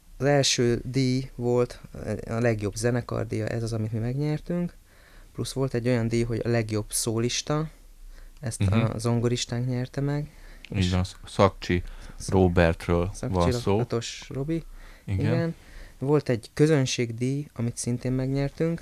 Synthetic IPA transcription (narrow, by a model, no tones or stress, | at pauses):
ɒzɛlʃøːd̪iːjvo̞lt̪ɒlɛɡjo̞bzɛnɛkɒ̰rd̪ijɒ̰ʔɛ̰zɒzɒmit̪mimɛɡɲɛrt̪yŋk | plusʋo̞lt̪ɛɟːo̞jɒnd̪iːjɦo̞ɟɒ̰lɛɡjo̞b̥soːliʃt̪ɒ | ɛst̪ɒ̰zo̞ŋɡoɾiʃt̪aːŋkɲɛrt̪ɛmɛɡḛiʃnsɒkt͡ʃiroːbɛrt̪røːlsɒvɒt͡ʃniɒsoːot̪o̞ʃro̞biiɡiɡɛn | vo̞lt̪ɛɟkø̞zønʃeːɡd̪iːjɒmit̪sint̪eːmmɛɡɲɛrt̪yŋk